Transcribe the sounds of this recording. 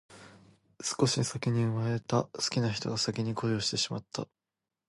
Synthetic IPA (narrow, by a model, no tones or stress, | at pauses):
sɨ̥ko̞ɕisakʲiɲ̟iɯ̟mae̞t̪asɨ̥kʲinaçi̥t̪o̞̰ɡasakʲiɲ̟ikʰo̞jo̞ːɕi̥t̪e̞ɕimat̪ːa